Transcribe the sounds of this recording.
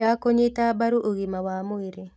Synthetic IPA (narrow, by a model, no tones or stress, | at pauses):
akoɲɪtabaɾuʔoɣimawamʊiɾe